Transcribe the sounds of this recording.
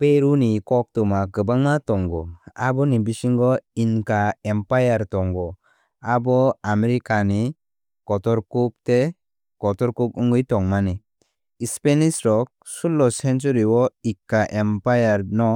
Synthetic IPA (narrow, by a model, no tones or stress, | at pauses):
peɾunikɔk̚tumakɯbaŋnatɔŋɡɔabɔnibisiŋɡɔinkaempajaɾtɔŋɡɔ | abɔameɾikani | kɔtɔɾkup̚te | kɔtɔɾkuk̚ɯŋɡɯjtɔŋmani | ispenisɾɔk̚sulːɔsent͡ʃuɾiwɔikːaʔempajaɾnɔ